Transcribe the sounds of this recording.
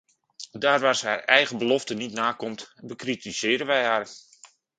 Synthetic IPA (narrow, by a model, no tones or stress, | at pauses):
daːrʋarshaːrɛjɣəbəlɔftənitnaːkɔmtbəkritisɪːɾənʋɛjɦaːr